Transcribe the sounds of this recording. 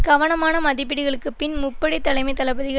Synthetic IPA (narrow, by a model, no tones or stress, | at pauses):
ɡ̥ɐʋɐnɐmaːnɐmɐðɪp̬ːɪɽɪɣɐɭɯkːɯpɪnmʊpːɐɽit̪ːɐlɐɪmɐɪt̪ːɐlɐbɐðɪɣɐ